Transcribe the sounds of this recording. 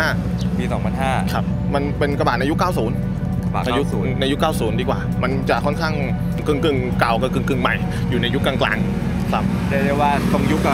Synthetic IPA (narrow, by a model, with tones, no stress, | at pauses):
aː˥˩ | piː˧sɔː˩˦mpʰa˧nhaː˥˩kʰa˦˥p̚ | ma˧npe˧nka˧baː˨˩t̪̚na˧ju˦˥kaː˥˩wsuː˩˦n | a˨˩na˧juː˦˥˩nna˧ju˦˥kːaː˥˩wsuː˩˦ndiː˧kwaː˨˩ma˧nt͡ɕa˨˩ʔkʰɔ˥˩nkʰaː˥˩ŋ | kɯ˧˩ŋkɯ˨˩ŋka˨˩wkɔ˧˩kɯ˨˩ŋkɯ˨˩ŋma̰˨˩j | juː˨˩na˧ju˦˥kːaː˧ŋkla̰ː˧ŋ | kʰɾa˦˥p̚t͡ɕɛ˧˩de˧waː˧˩t̪o˧ŋju˦˥kː